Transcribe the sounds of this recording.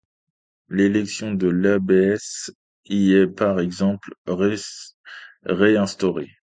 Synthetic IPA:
lelɛksjɔ̃d̪əlabeɛs | iɛpaʁɛɡzɑ̃pl | ʁeɛ̃st̪ɔʁe

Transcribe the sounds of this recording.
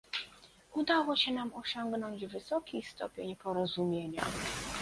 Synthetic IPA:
ud̪awɔɕɛnamɔɕɔŋɡnɔɲd͡ʑvɘsɔkʲist̪ɔ̰pʲjeɲpɔɾɔzumʲjeɲa̰

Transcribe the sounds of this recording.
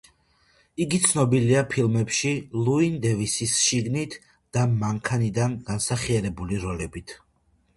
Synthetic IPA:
iɡit̪sʰnɔbiliapʰilˠmɛpʃilˠuind̪ɛvisisʃiɡnit̪ʰ | d̪̥amaŋkʰanid̪anɡ̥ansaχiaɾɛbuliɾɔlɛbit̪ʰ

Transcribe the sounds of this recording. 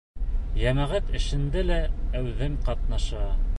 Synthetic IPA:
jæmæʁæt̪ɘ̆ʃɘ̆nd̪ɘlææwðɘmqɑt̪̚nɑʃɑ

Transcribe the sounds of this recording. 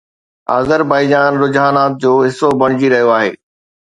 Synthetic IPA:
a̰ːzəɾbaːɪd͡ʑaːnɾʊd͡ʑɦaːnaːt̪̚d͡ʑoːɦɪsobɐɽ̃ɪd͡ʑiɾɐɦijoaːɦḛː

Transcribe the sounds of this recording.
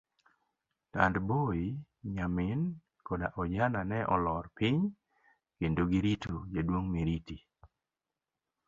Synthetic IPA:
ta̰ndboi | ɲamɪn | kodaʔɔd͡ʒananɛʔɔlɔɾpɪɲ | kendoɡiɾitod͡ʒadwoŋmiɾiti

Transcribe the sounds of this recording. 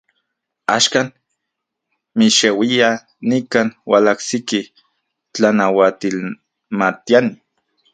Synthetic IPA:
a̰ʃkaːn | miʃewia | nikaːnwa̰laksiki | t͡ɬanawat̪il | mat̪iani

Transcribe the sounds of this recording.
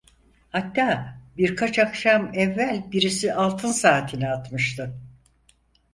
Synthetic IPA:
hat̪ːaːbiɾkʰat͡ʃakʃamɛvːælʲbiɾisialˠt̪ʰɯnsaːt̪ʰinɛat̪mɯʃt̪ʰɯ

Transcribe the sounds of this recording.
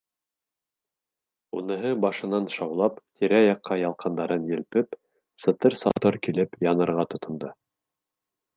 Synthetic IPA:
unɤ̆ɦɤbɑʃɤ̆nɑnʃɑwlˠɑpt̪ʰiɾæjɑqʰːɑjɑlˠqɑnd̪ɑɾɤnjɘ̆lpɘp | sɤ̆t̪ɤɾsɑ̰t̪ɤɾkilɘpjɑnɤ̆ɾʁɑt̪ŏt̪ŏnd̪ɤ

